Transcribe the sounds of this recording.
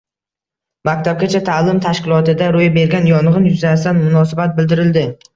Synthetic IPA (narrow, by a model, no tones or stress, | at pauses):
mak̚ʲt̪ʰab̚ɡʲat͡ʃʰat̪ʰaːlɪmt̪ʰaʃkʲɪlˠɒt̪ɪd̪aɾojbe̞ɾɡʲanjɒɴʁɨnjʊzat̪anmʊnɒsɪbat̪̚bɪld̪ɪɾɪld̪ɪ